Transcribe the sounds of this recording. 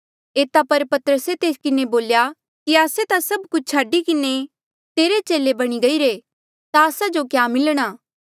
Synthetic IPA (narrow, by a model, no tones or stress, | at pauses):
eːt̪apɐɾpɐt̪əɾəset̪eːskɪneboːlja | kiaːset̪asɐbkʊt͡ʃʰt͡ʃʰaːɖikɪne | t̪eːɾet͡ʃeːlebɐɽ̃iɡɐiɾe | t̪aːsad͡ʒokjaːmɪlɽ̃aː